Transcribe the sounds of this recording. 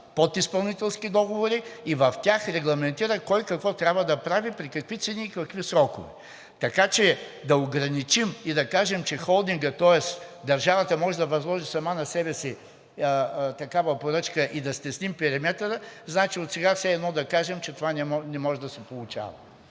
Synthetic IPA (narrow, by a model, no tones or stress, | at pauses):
pot̪ispɐlˠnit̪ɛlˠskid̪ɔɡovoɾiivɐft̪ʲaxɾɛɡlˠɐmɛnt̪iɾəkɔjkɐkvɔt̪ɾʲjabvɐd̪ɐpɾavipɾikɐkvit̪sɛniːkɐkvisɾɔkovɛ | t̪ɐkat͡ʃɛd̪ɐoɡɾɐnit͡ʃimid̪ɐkaʒɛmt͡ʃɛxɔlˠd̪iŋɡət̪ɔɛsd̪ɐɾʒavɐt̪əmɔʒɛd̪ɐvɐzlˠɔʒisɐmanɐsɛbɛsi | t̪ɐkavəpoɾɤt͡ʃkəʔid̪ɐst̪ɛsnimpɛɾimɛt̪əɾəznat͡ʃiot̪sɛɡafsɛɛd̪nɔd̪ɐkaʒɛmt͡ʃɛt̪ovanɛnɛmɔʒɛd̪ɐsɛpolˠʊt͡ʃa̰vɐ